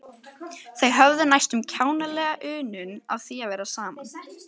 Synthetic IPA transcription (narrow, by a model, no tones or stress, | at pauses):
θejɦœvðʏnajst̪ʏmcʰaːwnalɛːɣaʔʏːnʏnavθiavɛːɾasaːman